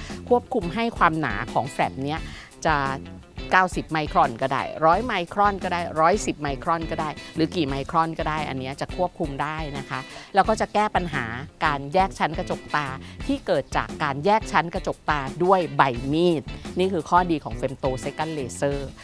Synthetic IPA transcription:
kʰu˥˩əp̚kʰu˧mɦa˥˩jkʰwaː˧mna̰ː˩˦kʰɔː˩˦ŋfɾɛ˨˩p̚ni˦˥ɐ | t͡ɕa˨˩ | kaː˥˩wsi˨˩p̚ma˧jkʰɾɔ˧˩nka˧˩da̰ː˧˥˩jɾɔː˦˥jma˧jkʰɾɔ˥˩nkɔː˥˩daː˥˩jɾɔː˦˥jsi˨˩p̚ma˧jkʰɾɔ˧˥˩nkɔː˥˩daː˥˩jɾɯː˩˦kiː˨˩ma˧jkʰɾɔ˧˥˩nkɔː˥˩daː˥˩jʔa̰˧nːi˦˥ɐt͡ɕa˨˩kʰu˥˩əp̚kʰu˧mdaː˥˩jna˦˥kʰa˦˥lɛː˦˥wkɔː˥˩t͡ɕa˨˩kɛː˥˩pa˧nɦaː˩˦kaː˧njɛː˥˩k̚t͡ɕʰa˦˥nka˧t͡ɕo˨˩k̚t̪aː˧t̪ʰiː˥˩kɤː˨˩t̪̚t͡ɕa̰ː˨˩kːaː˧njɛː˥˩k̚t͡ɕʰa˦˥nka˧t͡ɕo˨˩k̚t̪aː˧du˥˩əjba˧jmiː˥˩t̪̚niː˥˩kʰɯː˧kʰɔː˥˩diː˧kʰɔː˩˦ŋfe˧mt̪oː˧se˦˥ka˥˩nleː˧sɤː˥˩

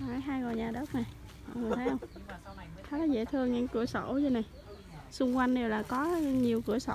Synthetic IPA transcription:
a˨˦jɦaː˧jɣo˨˩ɲaː˨˩ɗə˦˥k͡p̚na˨˩j | ɔ̰˧˨ŋ͡mŋɨ˨˩˨t̪ʰə˨˦˨hə˧wŋ͡m | t̪ʰa˨˦la˨˦zḛ˧˩t̪ʰɨ˧əŋɲa̰˧˥˦ŋkɨ̰˧˩əso̰˧˩˦zə˧na˨˩j | sʊ˧ŋ͡mkwa˧jŋ̟ɗe˨˩wlaː˨˩kɔ˨˦ɲi˨˩əwkɨ̰˧˩əso̰˧˩

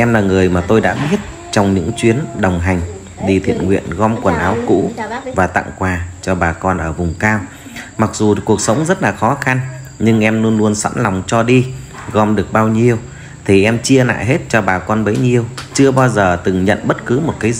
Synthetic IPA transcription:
ʔɛ˧mlaː˨˩ŋɨ˨˩əjmaː˨˩t̪o˧jɗa̰ː˧˥ɓi˦˥ət̚ | t͡ɕɔ˧wŋ͡mɲɨ̰˧˥ŋt͡ɕwi˨˦ənɗə˨˩wŋ͡mɦa˨˩jŋ̟ | ɗi˧t̪ʰḭ˧˨ənŋwḭ˧˨ənɣɔ˧mkwə˨˩nʔaː˨˦wkṵ˧˥vaː˨˩t̪a̰˧˨ŋkwaː˨˩t͡ɕɔ˧ɓaː˨˩kɔ˧nʔəː˧˩vʊ˨˩ŋ͡mkaː˧w | ma˨˩k̚zu˨˩ku˨˩ək̚sə˨˦wŋ͡mzə˦˥t̚laː˨˩xɔ˨˦xa˧nɲɨ˧ŋʔɛ˧mlu˧ənlu˧ənswa̰˧˥nla˨˩wŋ͡mt͡ɕɔ˧ɗi˧ | ɣɔ˧mɗɨ˨˩ək̚ɓaː˧wɲi˧əw | t̪ʰi˨˩ʔɛ˧mt͡ɕi˧əna̰ː˧˨ɦe˦˥t̚t͡ɕɔ˧ɓaː˨˩kɔ˧nɓə˨˦jɲi˧əwt͡ɕɨ˧əɓaː˧wzəː˨˩t̪ɨ˨˩ŋɲə̰˧˨nɓə˦˥t̚kɨ˨˦mo˨˩t̚kaː˨˦

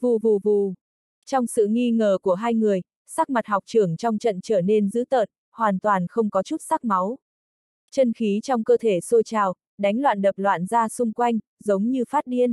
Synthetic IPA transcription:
vu˨˩vu˨˩vu˨˩ | t͡ɕɔ˧wŋ͡msɨ̰˧˨ŋi˧ŋəː˨˩ku˧˩əɦaː˧jŋɨ˨˩əj | saː˦˥k̚ma˨˩t̚hɔ˨˩k͡p̚t͡ɕɨ˧˩əŋt͡ɕɔ˧wŋ͡mt͡ɕə̰˧˨nt͡ɕəː˧˩ne˧nzɨ̰˧˥t̪əː˨˩t̚ | hwaː˨˩nt̪waː˨˩nxə˧wŋ͡mkɔ˨˦t͡ɕu˦˥t̚sa˦˥k̚ma˨˦w | t͡ɕə˧nxi˨˦t͡ɕɔ˧wŋ͡mkəː˧t̪ʰe˧˩so˧t͡ɕaː˨˩w | ɗa˨˦jŋ̟lwa̰ː˧˨nɗə˨˩p̚lwa̰ː˧˨nzaː˧sʊ˧ŋ͡mkwa˧jŋ̟zə˨˦wŋ͡mɲɨ˧faː˦˥t̚ɗi˧ən

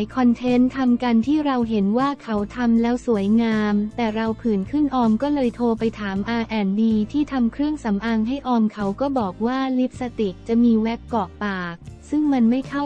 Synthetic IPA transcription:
jkʰɔ˧nt̪ʰe˦˥nt̪ʰa˧mka˧nt̪ʰiː˥˩ɾa˧wɦe˩˦nwaː˥˩kʰa˦˥wt̪ʰa˧mlɛː˦˥wsu˩˦əjŋaː˧mt̪ɛː˨˩ɾa˧wpʰɯː˨˩nkʰɯ˥˩nʔɔː˧mkɔː˥˩lɤː˧jt̪ʰoː˧pa˧jt̪ʰaː˩˦mʔaː˧ʔɛː˧ndiː˧t̪ʰiː˥˩t̪ʰa˧mkʰɾɯ˥˩əŋsa˩˦mʔaː˧ŋɦa˥˩jʔɔː˧mkʰa˦˥wkɔː˥˩bɔː˨˩k̚waː˥˩li˦˥p̚sa˧t̪i˨˩k̚t͡ɕa˨˩ʔmiː˧wɛ˦˥p̚kɔː˨˩k̚paː˨˩k̚sɯ˥˩ŋma˧nma˥˩jkʰa˥˩

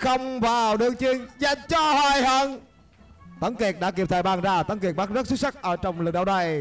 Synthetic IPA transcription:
xə˧wŋ͡mvaː˨˩wɗɨ˨˧əŋt͡ɕi˧əŋza˨˩jŋt͡ɕɔ˧hwaː˧˩jhəː˧˩n | t̪ə˨˦ŋki˨˩ək̚ɗa̰ː˧˥ki˧˩p̚t̪ʰəː˧˨˩ɓaː˨˩ŋzaː˧˩t̪ə˨˦ŋki˨˩ɓaː˦˥zə˦˥su˦˥k̚sa˦˥k̟̚ʔəː˧˩t͡ɕɔ˧wŋ͡mlɨ˨˩ɗa̰ː˧˨˩na˨˩j

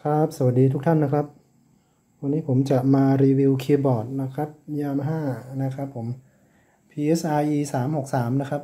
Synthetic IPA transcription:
kʰɾa˦˥p̚sa˨˧wa˨˩diː˧t̪ʰu˦˥k̚t̪ʰa˥˩nːa˦˥kʰɾa˦˥p̚ | wa˧nːiː˦˥pʰo˩˦mt͡ɕa˨˩ʔmaː˧ɾiː˧wi˧wkʰiː˧bɔː˨˩t̪̚na˦˥kʰɾa˦˥p̚jaː˧mɦaː˥˩na˦˥kʰɾa˦˥pʰːo˩˦m | pʰiː˧ʔe˦˥sʔaː˧jʔiː˧saː˩˦mho˨˩k̚saː˩˦mna˦˥kʰɾa˦˥p̚

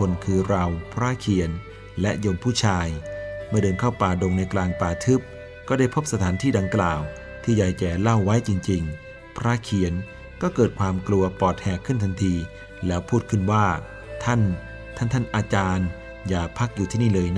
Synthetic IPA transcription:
o˧nkʰɯː˧ɾa˧wpʰɾaː˦˥˩kʰi˨˩˦ən | lɛ˦˥joː˧mpʰuː˥˩t͡ɕʰaː˧jmɯ˥˩dɤː˧nkʰa˥˩wpaː˨˩do˧ŋna˧jklaː˧ŋpaː˧˩t̪ʰɯ˦˥p̚ | kɔː˥˩da˥˩jpʰo˦˥p̚sa˧t̪ʰaː˩˦nt̪ʰiː˥˩da˧ŋklaː˨˩w | t̪ʰiː˥˩jaː˧jt͡ɕɛː˨˩la˥˩wːa˦˥jt͡ɕi˧ŋt͡ɕi˧ŋ | pʰɾaː˦˥˩kʰi˨˩˦ən | kɔː˥˩kɤː˨˩t̪̚kʰwaː˧mklu˧ɐpɔː˨˩t̪̚hɛː˨˩kʰːɯ˥˩nt̪ʰa˧nt̪ʰiː˧ | lɛː˦˥wpʰuː˥˩t̪̚kʰɯ˥˩nwaː˥˩ | t̪ʰa˥˩n | t̪ʰa˥˩nt̪ʰa˥˩nʔaː˧t͡ɕaː˧n | jaː˨˩pʰa˦˥k̚juː˨t̪ʰiː˥˩niː˥˩lɤː˧j

